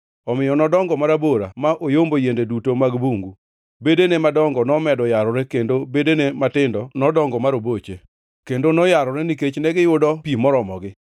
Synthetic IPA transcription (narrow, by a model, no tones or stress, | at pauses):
ɔmɪjɔnɔdɔŋɡɔmaɾaboɾa̰maʔojombojendedutomaɡbuŋɡu | bedenemadɔŋɡɔnɔmɛdɔjaɾɔɾɛkendobedenematɪndɔnɔdɔŋɡɔmaɾobot͡ʃe | kendonɔjaɾɔɾɛniket͡ʃnɛɡɪjʊdɔpimɔɾɔmɔɡɪ